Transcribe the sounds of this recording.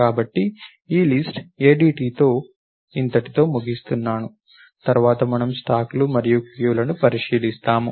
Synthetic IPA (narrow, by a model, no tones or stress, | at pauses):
kaːbɐʈːi | iːlisʈeːɖiːʈiːt̪o̞ː | int̪ɐʈit̪o̞ːmuɡist̪unːaːnu | t̪ɐɾʋaːt̪ɐmɐnɐmsʈaːklumɐɾijukʋjuːlɐnupɐɾiʂiːlist̪aːmu